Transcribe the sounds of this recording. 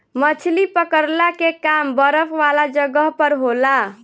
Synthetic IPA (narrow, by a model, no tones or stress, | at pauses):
mət͡ʃʰlipəkəɾlakekambəɾəpʰʋalad͡ʒəɡəɦpəɾɦola